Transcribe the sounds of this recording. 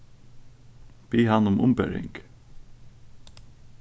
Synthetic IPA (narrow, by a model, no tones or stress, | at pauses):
piːɦanʊmʔʊ̰mbɛ̰ɹɪ̰ŋk